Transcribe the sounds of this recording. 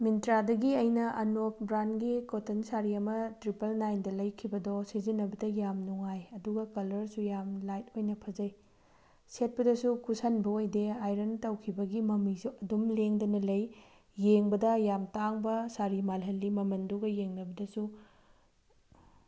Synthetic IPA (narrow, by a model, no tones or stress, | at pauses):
mintɾadɐɡiɐjnɐʔɐnok̚bɾanɡikotʰɐnsaɾiɐmɐtɾipɐlnajndɐlɐjkʰibɐdɔsizinːɐbɐdɐjamnuŋajɐduɡɐkɐlɐɾsujamlajt̚ojnɐpʰɐd͡ʒɐj | set̚pɐdɐsukusɐnbɐojdeajɾɐntɐwkʰibɐɡimɐmisuɐdumleŋdɐnɐlɐj | jeŋbɐdɐjamtaŋbɐsaɾimalɦɐlːimɐmɐnduɡɐjeŋnɐbɐdɐsu